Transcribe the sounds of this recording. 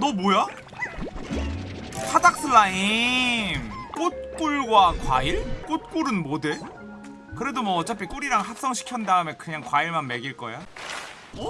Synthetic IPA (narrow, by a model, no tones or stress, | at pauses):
nʌmoja | pʰadak̚s͈ʰɯɭːai | mk͈ot̚k͈uɭɡwakwa̰iɭk͈ut̚k͈uɾɯnmode | kɯɾe̞domwʌːt͡ɕ͈ʌp͈ʰik͈uɾiɾaŋhak̚s͈ʌŋɕʰi̥kʰjʌndaɯmjekɯɲaŋkwaiɭmanme̞ɡiɭk͈ʌ̰ja